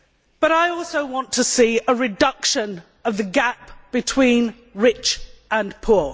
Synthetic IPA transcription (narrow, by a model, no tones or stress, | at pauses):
b̥ʌɾaɪɔˑlˠsəʊwɒ̃ntʰəsiːəɹɪdʌkʃə̃n | əvðəɡapb̥ɨtʰw̥ĩn | ɹɪt͡ʃə̃npʰʊː